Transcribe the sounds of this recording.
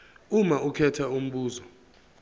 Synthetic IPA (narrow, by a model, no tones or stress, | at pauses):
umaukʰɛtʰaum̩ɓuːzɔ